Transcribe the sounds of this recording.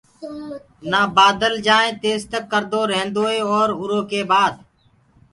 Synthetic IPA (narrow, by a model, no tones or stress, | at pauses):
naːbaːd̪əld͡ʒaːẽːt̪eːzt̪əkːəɾd̪oːɾẽɦnd̪oːeːɔːɾɦʊɾoːkeːbaːd̪